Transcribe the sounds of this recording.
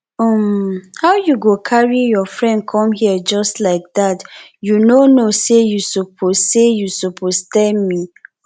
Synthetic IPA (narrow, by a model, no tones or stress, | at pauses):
ɔmhaʊjuɡokʰaɹijɔfɹɛ̃nd̚kʰɔ̃mhiəd͡ʒɔstlaɪk̚datjunonosejusupʰozsejusupʰoztɛlmi